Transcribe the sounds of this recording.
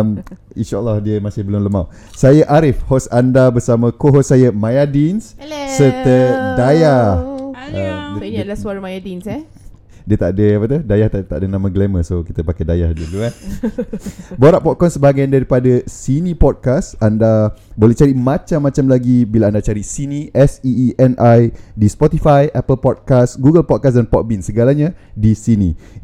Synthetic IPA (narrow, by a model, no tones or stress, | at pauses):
m | ḭnʃaʔəlːɑhdiəmasɪhbəlʊmləmaw | sajəʔaɾɪfhɔsandabəsamə̃koɦɔsajəmajadinssərt̪ədajahəmlasuaɾamajadinsɛ | diət̪aʔdəapat̪udajaht̪at̪a̰ʔdənãmə̃ɡleməsokit̪əpakɛdajahdulua | boɾaʔpɔt̪̚kɔnsəbaɡajandaɾipadasinĩpɔd̚kasandabolɛht͡ʃaɾimãt͡ʃamːãt͡ʃamlaɡibilaandat͡ʃaɾisinĩʔɛsiʔɛnʔajdispɔt̪ifajʔapəlpɔd̚kasɡuɡəlpɔt̚kas̬danpɔt̪̚binsəɡalaɲãdisinĩ